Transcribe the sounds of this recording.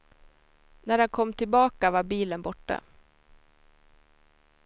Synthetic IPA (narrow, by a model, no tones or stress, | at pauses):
næɾankʰɔmːt̪ʰɪlbɑːkavaɾbiːlənbɔʈːa̰